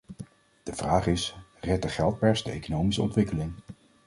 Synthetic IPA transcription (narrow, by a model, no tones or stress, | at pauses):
d̥əv̥raːχɪsrɛt̚dəχɛlˠt̚pɛɹsdəḛjkonowmisəɔ̰ntʋɪkəlɪŋ